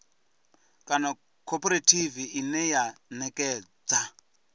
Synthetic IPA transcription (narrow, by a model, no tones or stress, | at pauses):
kʼana | kʰɔpʼɔɾatʰiviʔinɛjanɛkʼɛːd͡za